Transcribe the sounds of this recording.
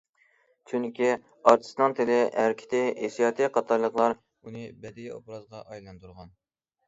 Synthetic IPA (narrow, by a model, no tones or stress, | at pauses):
t͡ʃʰyŋkʲi | ɑɾt̪ʰɨ̥snɑŋt̪ʰelɪæɾkʲʰɪ̥t̪ɪesijɑːt̪ʰɨqʰɑt̪ʰɑɾlˠəqlˠɑɾ | unɨbɛd̪ijo̰bɾɑzʁɑʔɑjlˠɑnt̪ʰuɾʁɑn